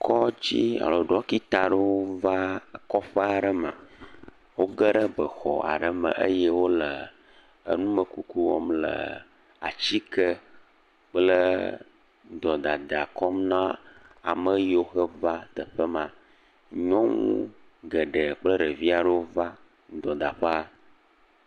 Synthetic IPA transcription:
kʰɔ˦d͡ʑḭ˦a̰˨lɔ˨ɖɔ˦ki˦t̪a˨ɖə˦wo˦va˦kɔ˦ɸə˦a˨ɖə˨mə̰̃˨ | wo˦ɡə˦ɖə˦bə˨xɔ˨a̰˨ɖə˨mə̰̃˨ʔə̰˦jɛ˦wo˦lə˨ | ə̰˨nũ˦mə˨ku˨ku˦wo̰˦mlə̰˨ | a̰˨t͡ɕi˦kə˦ | k͡plə˦ | d̪ɔ˨d̪a˨d̪a˨kɔ˦mnã˦ | a˨mə˦jo˦xə˦va˦d̪ə˨ɸə˦mã˨ | ɲɔ̃˦ŋṵ̃˦ | ɡə˨ɖə˨k͡plə˦ɖə˨vi˦a˨ɖə˦wo˦va˦ | d̪ɔ˨d̪a˨ɸə˦a˦

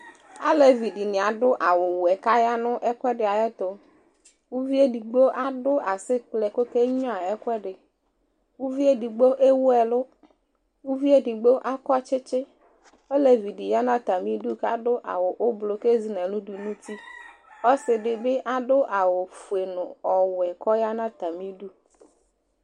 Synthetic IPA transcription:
a˦le˨vi˨di˨nĩ˨a˨ɖʊ˦ʔa˨wo˨wu˨ɛ˨ka˦ja˦nʊ̃˦ʔɛ˦kʷɛ˦ɖɪ˨a˨jɛ˦t̪o˨ | wu˦vi˦e˦di˨ɡ͡bo˦ʔa˦dʊ˦ʔa˨sɪ˦k͡plɛ˨ko˦ke˦ɲ˦ã˦˨ɛ˦kʷɛ˦ɖɪ˨ | wu˦vi˦e˦di˨ɡ͡bo˦ʔe˦wʊ˦ɛ˨lʊ˦ | wu˦vi˦e˦di˨ɡ͡bo˦ʔa˦kɔ˦t͡ʃɪ˦t͡ʃɪ˦ | o˦le˨vi˨di˨ja˦nã˦t̪a˨mĩ˦du˦ka˦ɖʊ˦ʔa̰˨wʊ˨ʔo˦blo˨ke˦zi˨˦nɛ̃˨lũ˦du˨nũ˦t̪i˦ | ɔ˦sɪ˨ɖɪ˨be˦ʔa˦ɖʊ˦ʔa˨wʊ˨fu˨e˨nʊ̃˨ɔ˨wɛ˨kɔ˦ja˦nã˦t̪a˨mĩ˦ɖu˦

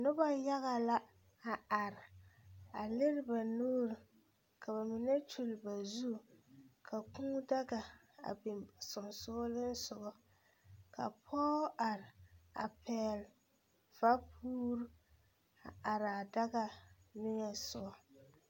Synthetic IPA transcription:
nʊ˦ba˦ja˦ɣa˨la˦ | a˨a˨ɾɪ˨a˨lɪ˦ɾɪ˦ba˨nuː˦ɾɨ˨ | kʰa˨βa˨mɪ˨nɛ˦t͡ʃu˨lɪ˨ba˨zu˦kʰa˨kũː˦da˦ɡa˨ | a̰˨bɪ˨msʊ˨nsʊ˦lɨ˦n˦sʊ˨ɡɔ˦ | ka̰˨pʰɔː˦ʔa˨ɾɪ˨a̰˨pʰɛ˦l | fa˦pʰuː˦ɾu˦ | a˨ʔa˨ɾa˨da˦ɡa˦nɪ˦ɲɛ˨sʊ˦ɔ˨

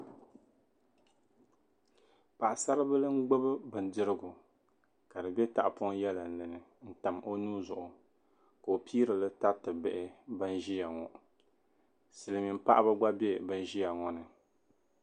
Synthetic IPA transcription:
pa˨ʔa˨sa˦ɾɨ˦bɨ˦lɨ˦ŋ̩˦ɡ͡bo˦bɨ˦bɨ˨n˨dɨ˦ɾɨ˦ɡʊ˨ | ka˨dɨ˨bɛ˦ta˨ʔpʊ˦ŋ˦jɛ˦la˨n̩˨lɨ˨nɨ˨ | n̩˦ta˨mʔo˦nuː˦zʊ˨ʔʊ˨ | ka˨o˨pʰiː˦ɾɨ˨lɨ˦ta˦tɨ˨bɛ˨ʔɪ˦bɨ˦n˦ʒi˦ja˨ŋɔ˨ | sɨ˨lɨ˨mi˨m̩˦pa˦ʔa˦ba˦ɡ͡ba˦be˦bɨ˦n˦ʒi˦ja˨ŋɔ˦nɨ˨

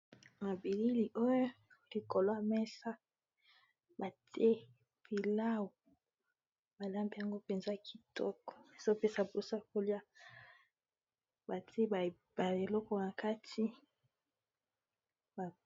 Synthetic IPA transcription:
ma˨bi˨li˦li˨ʔo˦jo˦ | li˨ko˨lo˦a˨mɛ˦sa˦ | ba˨tʰe˦ | pi˨la˦wo˨ | ba˨la˦mbi˦˨ja˨ŋɡo˦pe˨nza˦˨ki˨tɔ̰˦kɔ̥˨so˦pe˦sa˨bo˨sa˨ko˦li˦a˦ | ba˨tʰe˦ba˨ | ba˨e˨lɔ˦kɔ˦na˨ka˦tʰi˦ | ba˨

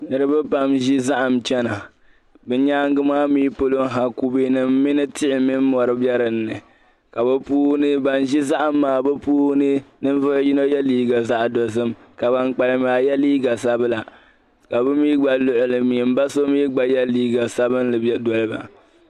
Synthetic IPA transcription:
nɨ˦ɾɨ˦bɛ˦pa˦mʒi˦za˦ʔa˨mt͡ʃɛ˦na˨ | bɛ˦ɲaː˦ŋ˦ɡɨ˦maː˦miː˦po˦lo˦ŋɦa˨ku˦bi˦nɨ˨m̩ː˦ɪ˦nɨ˦tɪ˦ʔɪ˨mi˦m˦mɔ˨ɾɨ˦bɛ˦ɾɨ˨nːɨ˨ | ka˨bɛ˦puː˦hnɨ˦ba˨nʒi˦za˦ʔa˨mːaː˨bɛ˦puː˦hnɨ˦nɨ˦n˦vʊ˦ʔji˦no˦jɛ˦liː˦ɡa˨za˦ʔdɔ˨zɨ˦m | ka˨ba˦ŋk͡pa˨lɨ˦maː˨jɛ˦liː˦ɡa˨sa˦bɨ˦la˨ | ka˨bɛ˦miː˦ɡ͡ba˨lʊ˦ʔʊ˨lɨ˨mi˨m̩˦ba˦so˦miː˦ɡ͡ba˨jɛ˦liː˦ɡa˨sa˦bɨ˦nlɨ˨˦dɔ˨lɨ˦ba̰˨

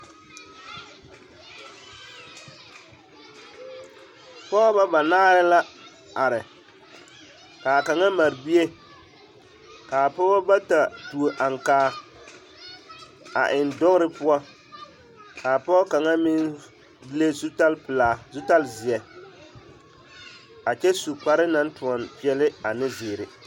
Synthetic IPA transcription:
pɔ˦ba˦ba˨naː˦ɾɪ˦la˦ | a˨ɾɪ˨ | ka˨ka˨ŋa˦ma˨ɾbi˦e˦ | ka˨pɔ˦bɔ˦ba˦ta˨tu˨o˨ʔa˨ŋ˨kaː˦˨ | a̰˨ʔɪ˨ndɔ˦ŋ˦ɾɪ˦pʊ˦a˦ | ka˨pɔː˦ka˨ŋa˦mɪ˦n˦ | le˦su˦ta˦lpɪ˨laː˨zu˦ta˦lzɪ˨ɛ˨ | a˨t͡ʃɛ˦su˨k͡pa˦ɾɪ˦na˦ntu˨ɔ˨npi˦ɛ˦lɪ˦a˨nɪ˦zɪː˨ɾɪ˨

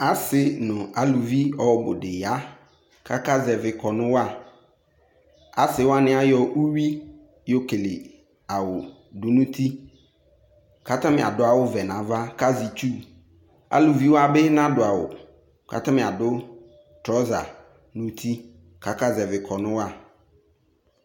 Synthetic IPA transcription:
a˦sɪ˨nʊ̃˨a˨lu˨vi˦ɔ˨bʊ̰˨dɪ˨ja˦ | kʰa˦ka˦zɛ˨vɪ˨kʰɔ˨nʊ̃˦wa˦˨ | a̰˨sɪ˨wa˦nɪ̃˦a˦jɔ˨ʔu˦wi˦ | jo˨ke˨lɪ˨ | a˨wʊ˨ | dʊ˨nũ˦tʰi˦ | ka˦ta˦mɪ˨a̰˨dʊ˦a˦wʊ˦vɛ˨nã˨va˦ka˦zi˨t͡ʃu˦ | a̰˨lu˨vi˦wa˦bɛ˦nã˦dʊ˨a˨wʊ̰˨ | ka̰˨ta˦mɪ̃˨a˨dʊ˦ | tɾɔ˦za̰˨ | nũ˦t̪ʰi˦ | kʰa˨ka˦zɛ˨vɪ˨kʰɔ˨nʊ̃˦wa˦˨

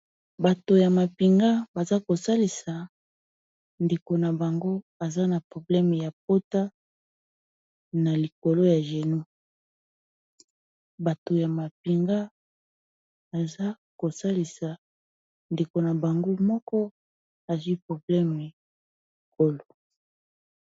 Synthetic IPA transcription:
ba˨to˨ja˨ma˨pi˨ŋɡa˦ba˨za˦ko˨sa˦li˨sa˨ | nde˨ko˨na˨ba˨ŋɡo˦ | a˨za˦na˨pʁo˨blɛ˦m˨ja˨p̚o˦ta˦ | na˨li˨ko˨lo˦ja˨ʒe˨nu˦ | ba˨to˨ja˨ma˨p̚i˨ŋɡa˦ | ba˨za˦ | ko˨sa˦li˨sa˨ | nde˨ko˨na˨ba˨ŋɡo˦mɔ˦kɔ˦ | a˨zwi˦pʁo˨blɛ˦me˨ | i˨ko˨lo˦

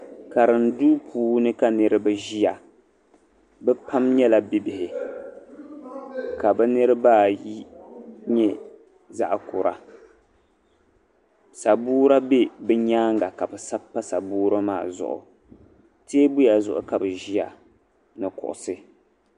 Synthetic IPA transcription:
ka˨ɾɨ˨n˦duː˦pʰuː˦nɨ˦ka˦nɨ˨ɾɨ˦bɨ˨ʒi˦ja˨ | bɛ˦pa˦mɲɛ˦la˨bi˦bɪ˨hɪ˨ | ka˨bɨ˦nɨ˦ɾɨ˦baː˦˨ji˦ɲɛ˦ | za̰˦ʔkʊ˨ɾa̰˨ | sa˨buː˦ɾa˦be˦bɛ˦ɲaː˦ŋɡa˨ka˨bɛ˨sa˦pːa˦sa̰˨buː˦ɾa˦ma̰ː˦˨zʊ̰˨ʔʊ̰˨ | te˦bʊ˦ja˨zʊ̰˦˨ʔʊ̰˦ka˨bɨ˨ʒi˦ja̰˨ | nɨ˨kʊ̰˨ʔʊ̰˨sɨ˦

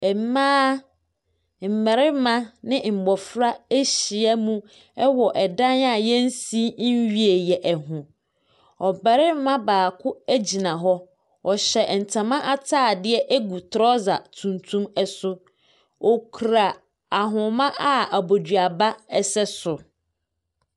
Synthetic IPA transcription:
ɛ˨m̩˦mãː˦ | m̩˨mɛ˨ɾɪ˦m̩˦mã˦nɪ̃˦m̩˨bɔ˨fɾa˦e˦ɕi˨ɛ˦mũ˦ | ɛ˦wɔ˨ʔɛ˨dã˦na˨jɛ˦n̩˦si˦ɥi˦˨e˨jɛ˨ʔɛ˨ɦʊ̃˨ | ɔ˨bɛ˨ɾɪ˦m˦mã˦baː˨kʰʊ˦æ˦d͡ʑi˨nã˨ɦɔ˦ | ɔ˨ɕɛ˨n̩˨tʰã˨mã˦ʔa˦tʰaː˦˨dɪ˦ɛ˦ʔæ˦ɡu˨tʰɾɔ˦za˨tʰũ˨ntʰũ˦mɛ˦sʊ˦ | ɔ˨kʰɾa˨ | a˨ɦʊ̃˨mã˦ʔa˦a˨bo˨dɥa˨ba˦ɛ˦sɛ˦sʊ˨

